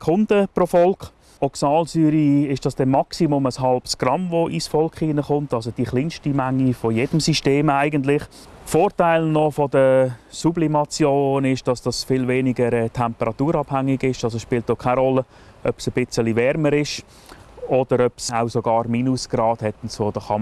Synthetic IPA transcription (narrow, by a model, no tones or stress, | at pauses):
kʰʊndəpɾofɔlkχ | ɔksɑːlsyːɾiɪʃd̥ɑsd̥ɛnmɑksimʊməsɦɑlbsɡ̥rɑmvoʔisfɔlkχiːnəχʊntɑls̬od̥iχliːnʃtimæŋːifɔjed̥əmsiʃteːmaɪɡəntlɪχ | foːɾtaɪlnɔfɔdəsublimɑt͡sjoːnɪʃd̥ɑsd̥ɑsfɪlveːnɪɡəɾɛːtʰɛmpəɾɑtuːɾɑbhaŋːɪɡɪʃɑlsoʃpɪːlt̚dɔkʰaɪɾɔlːə | œpsəb̥ɪt͡səlivɛɾməɾɪʃ | ɔd̥əɾœpsaʊsoɡɑːɾmiːnʊsɡ̥rɑːd̥hɛtʊntsfodəχɑm